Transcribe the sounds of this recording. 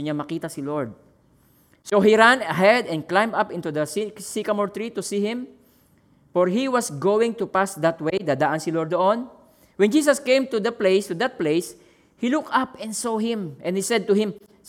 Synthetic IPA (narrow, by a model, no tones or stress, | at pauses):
ɲamɐkiːt̪ɐsɪloɹd̪̚ | sohiɾanɐɦɛd̪ɛ̃n̚klãjmapɪ̃nt̪ud̪ɐssikɐmɔɹt̪ɹit̪usiːhɪ̃m | fɔɹɦiwɐsɡowɪ̃ŋt̪upasd̪ɐt̪wejd̪aːd̪aʔɐnsɪlɔɹd̪d̪oʔon | wɛ̃nd͡ʒiːs̬ɐskẽjmt̪ud̪ɐplejst̪ud̪ɐt̪̚plejs | hilukʔapɛ̃nd̪sohɪ̃mʔɛ̃nhisɛd̪̚t̪ʊhɪ̃m